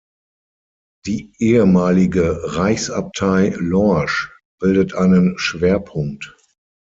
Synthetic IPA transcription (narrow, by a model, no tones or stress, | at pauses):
d̥iːʔeːəmaːlɪɡəʁaɪçsap̚tʰaɪlɔʃ | b̥ɪldətʰʔaɪnənʃv̥eːɐpʰʊŋk̚t